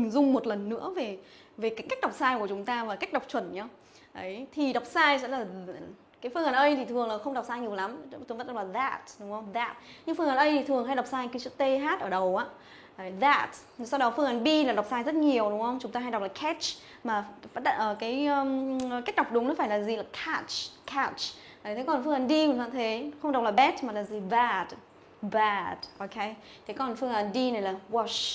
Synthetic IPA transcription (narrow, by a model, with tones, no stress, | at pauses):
ŋzʊ˧ŋ͡mmo˨˩t̚lə˨˩nːɨ̰˧˥əve˨˩ | ve˨˩kaː˨˦jka˦˥k̚ɗa˨˩wk͡p̚saː˧jku˧˩ət͡ɕʊ˨˦ŋ͡mt̪aː˧vaː˨˩ka˦˥k̟̚ɗa˨˩k͡p̚t͡ɕwə˧˩nɲa˧ | ʔə˨˦jt̪ʰi˨˩ɗa˨˩wk͡p̚saː˧jsɛ̰˧˥laː˨˩ | kaː˨˦jfɨ˧əŋaː˨˩nʔə˧jt̪ʰi˨t̪ʰɨ˨˩əŋla˨˩xə˧wŋ͡mɗa˨˩wk͡p̚saː˧jɲi˨˩əwla˨˦mt̪o˨˦və˦˥nɗlaː˨˩ða˨˧˩t̚ɗʊ˨˦ŋ͡mhə˧wŋ͡mða˨˩t̚ɲɨ˧ŋfɨ˧əŋʔaː˨˩nʔə˧jt̪ʰi˨˩t̪ʰɨ˨˩əŋɦa˧jɗa˨˩wk͡p̚saː˧jkːaː˨˦sɨ̰˧˥t̪e˧ɦaː˦˥t̚ʔəː˧˩ɗə˨˩wʔaː˨˦˨ | ða˨˩t̚ | sa˧wɗɔ˨˦fɨ˧əŋa˨˩nɓi˧laː˨˩ɗwk͡p̚saː˧jzə˦˥t̚ɲi˨˩əwɗʊ˨˦ŋ͡mxə˧wŋ͡mt͡ɕʊ˨˦ŋ͡mt̪aː˧ɦa˧jdk͡p̚laː˨˩jkʰɛ˦˥t͡ʃ | maː˨˩fa˦˥t̚ɗə̰˧˨ʔəː˧˩kaː˨˦jəː˧˨ka˦˥k̟̚ɗa˨˩k͡p̚ɗʊ˨˦ŋ͡mnɔ˨˦faː˧˩jlaː˨˩zi˨˩laː˨˩kʰa˧˥t͡ʃkʰa˧˩t͡ʃ | a˨t̪ʰe˨˦kɔ˨˩nfɨ˧əŋə˨˩nɗi˧˨˩za̰ː˧˨˩t̪ʰe˨˦xə˧ŋ͡mɗwk͡p̚laː˨˩ɓɛ˦˥t̚maː˨˩laː˨˩zi˨˩va˧˩t | va˨˧˩t̚ʔo˧kʰe˧˦j | t̪ʰe˨˦kɔ˨˩nfɨ˧əŋʔa˨˩nɗi˧na˨˩jlaː˨˩wɔ˧˩ʃ